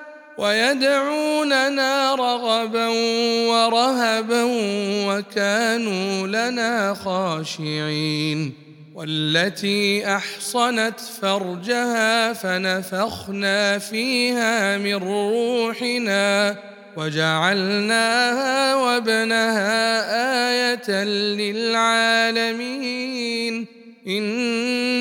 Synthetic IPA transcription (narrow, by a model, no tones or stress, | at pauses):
wajad̪ʕuːnanaːɾˤɑɣɑbanwɑɾˤɑɦabanwakaːnuːlanaːxɑːʃɪʕiːn | walːat̪iːʔɑħsˤɑnat̪fɑɾˤd͡ʒahaːfanafɑɣnaːfiːhaːmɪnːuːħɪnaː | wad͡ʒaʕalnaːhaːwabnahaːʔaːjat̪anlɪlʕaːlamiːn | ʔɪn